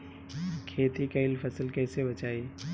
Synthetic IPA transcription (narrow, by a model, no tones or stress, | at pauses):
kʰeːt̪ikɐɪlfɐsəlkɛːsebɐt͡ʃaːi